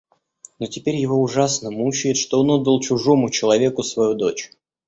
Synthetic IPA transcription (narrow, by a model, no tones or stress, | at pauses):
notʲɪpʲeɾʲjɪvo̞ʊʐasnəmut͡ɕɪjɪt̪ʂt̪o̞onod̪əlˠt͡ɕʊʐo̞mʊt͡ɕɪlˠɐvʲe̞kʊsvɐjud̪o̞t͡ɕ